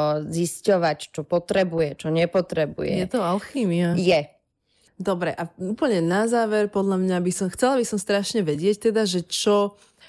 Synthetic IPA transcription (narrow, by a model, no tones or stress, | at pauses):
ziscɔʋact͡ʃɔpɔt̪ɾɛbujɛt͡ʃɔɲɛpɔt̪ɾɛbṵjɛ̰jɛt̪ɔalxiːmiajɛ | d̪ɔbɾɛʔauːpl̩ɲɛnazaːʋɛɾpɔd̪ʎamɲabisɔmxt͡sɛlabisɔmst̪ɾaʃɲɛʋɛɟɪɛct̪ɛd̪aʒɛt͡ʃɔ